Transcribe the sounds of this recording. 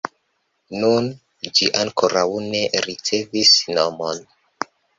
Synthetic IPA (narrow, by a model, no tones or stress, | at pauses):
nun | d͡ʒiʔaŋkoɾawne̞ɾit͡se̞visnomon